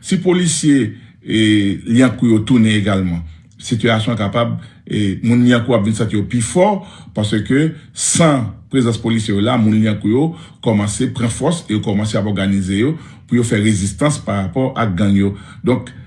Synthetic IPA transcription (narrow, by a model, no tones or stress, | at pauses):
sipolisje | liãkujot̪unẽeɡalmã | sit̪yasjɔ̃kapabemũnliãkuapvĩnsãt̪ijoplifɔʁpaʁsøkøsãpʁezãspolisjɛjolamũnliãkujokɔmɑ̃sepʁɑ̃fɔsejokɔmɑ̃seapɔʁɡanizejo | pujofɛʁezist̪ãspaʁapɔʁʔaɡãŋjod̪ɔ̃k